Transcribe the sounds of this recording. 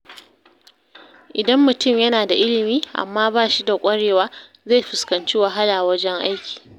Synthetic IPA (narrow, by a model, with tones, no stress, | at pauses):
ʔɪ˨dɐ˦mːʊ˨tʊ˦˨mjɐ˦naː˨da˨ʔɪ˦lɪ˨miː˦ʔa̰˨mːaː˦baː˦˨ʃi˦da˨kʷʼɐ˦ɽeː˨waː˦ | zeː˦˨ɸɪ˨skɐ˨nt͡ʃi˦wa˨ɦa˦laː˨wɐ˦d͡ʒɛ˦ŋʔa˦jkʲʰi̥ː˨